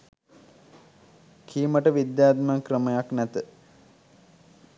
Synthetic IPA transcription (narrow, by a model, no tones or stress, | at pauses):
kʰiːməʈəʋid̪jaːt̪məkɾəməjaknæt̪ə